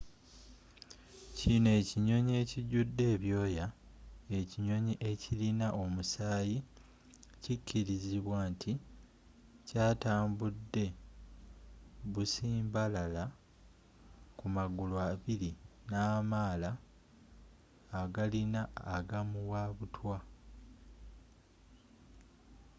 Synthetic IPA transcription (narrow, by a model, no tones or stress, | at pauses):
cinoe̞ːciɲo̞ɲie̞ciɟudːe̞ːβjo̞ːjae̞ciɲo̞ɲiʔe̞cilinaʔo̞musaːji | cicʰːiɾiziβwaːntʰi | caːtaːmbudːe̞ | βusiːmbalala | kumaɡulwaβiɾinaːmaːla | ɡalinaːɡamuwaːβutʰwa